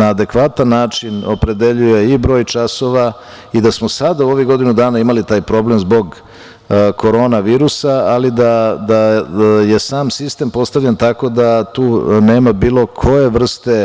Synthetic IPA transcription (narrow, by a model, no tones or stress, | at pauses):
naːd̪e̞kʋat̪anːaːt͡ʂino̞pɾe̞d̪e̞ʎuje̞ibɾo̞ːjt͡ʃaso̞ʋa | id̪asmosad̪auo̞ʋiɡo̞d̪inud̪aːnaimalit̪aːjpɾo̞ble̞mzbo̞ɡ | kʰo̞ɾo̞ːnaʋiːɾusaːlid̪ad̪aje̞saːmsist̪e̞mpo̞st̪aʋʎent̪ako̞d̪at̪uːne̞ːmabiːlˠo̞kʰo̞je̞ʋr̩st̪e̞